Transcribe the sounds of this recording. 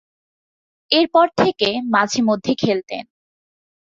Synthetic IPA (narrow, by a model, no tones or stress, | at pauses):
eɾpɔɾt̪ʰekemad͡ʑʱemod̪ʱːekʰelt̪ḛn